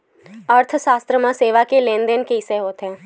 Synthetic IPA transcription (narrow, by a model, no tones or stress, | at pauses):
əɾt̪ʰʃaːst̪ɾəmãseːʋakelẽːnd̪enkeɦɪseɦoːt̪ɦɛ̃ː